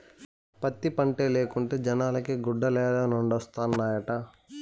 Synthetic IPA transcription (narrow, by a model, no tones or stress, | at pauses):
pɐt̪ːipɐɳʈeːleːkuɳʈeːd͡ʒɐnaːlɐkiɡuɖːɐlɛːd̪aːnuɳɖɔst̪aːnːaːjɐʈɐ